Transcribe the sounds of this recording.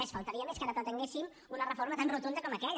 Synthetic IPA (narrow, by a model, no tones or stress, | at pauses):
əsfalˠt̪əɾiəmeskaɾət̪ət̪əŋɡesim | unərəfoɾmət̪anrut̪und̪əkɔməkɛʎ